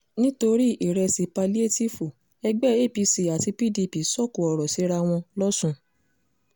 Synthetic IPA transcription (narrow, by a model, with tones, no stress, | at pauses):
nĩ˦to˧ɾi˦i˨ɾɛ˧si˧pa˧li˦e˦˨ti˦˨fu˨ | ɛ˧ɡ͡bɛ˦e˦˨pi˧si˧˨a˨ti˧pi˦˨di˧pi˨sɔ˦˨ku˨ɔ˨ɾɔ˨si˨˦ɾa˧w̃ɔ̃˧lɔ˦sũ˧